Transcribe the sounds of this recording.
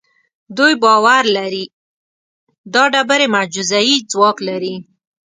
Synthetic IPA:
d̪ujbɑwaɾlaɾi | d̪ɑɖabaɾemad͡ʒuzajid͡zwɑklaɾi

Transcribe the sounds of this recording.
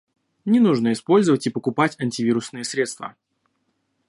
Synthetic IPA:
nʲɪnuʐnəɪspo̞lʲzəvətʲipəkʊpatʲɐnʲtʲɪvʲiɾʊsnɨjəsɾʲe̞t̪st̪və̰

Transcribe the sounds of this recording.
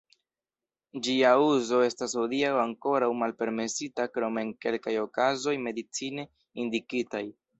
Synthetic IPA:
d͡ʒiauzo̞e̞stashodiawaŋko̞ɾawmalpe̞ɾme̞sitakɾo̞me̞nke̞lkajo̞kazo̞jme̞dit͡sine̞ | indikitaj

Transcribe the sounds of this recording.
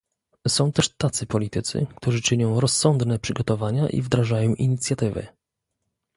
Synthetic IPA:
sɔ̃w̃t̪ɛʂt̪at̪sɘpɔlʲit̪ɘt̪sɘ̰kt̪uʐɘt͡ʂɘɲɔ̃w̃ɾɔsːɔnd̪nɛpʂɘɡɔt̪ɔvaɲaʔḭvd̪ɾaʐajɔ̃w̃ʔiɲit̪sʲjat̪ɘvɘ̰

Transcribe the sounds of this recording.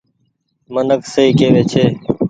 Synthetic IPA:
mənəksəiːkeːʋeːt͡ʃʰeː

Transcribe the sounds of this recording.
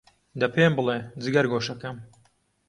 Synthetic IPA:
d̪ɐpʰeːmbɨled͡zɨɡɐɾɡoːʃɐkɐm

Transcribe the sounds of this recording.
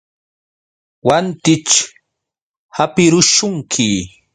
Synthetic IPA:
want̪ɪt͡ʃ | hapɪɾʊʃʊŋkʰɪ

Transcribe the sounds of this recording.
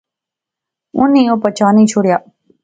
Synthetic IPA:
ʊnːĩːoːpət͡ʃaːnĩːt͡ʃʰoːɽɪjaː

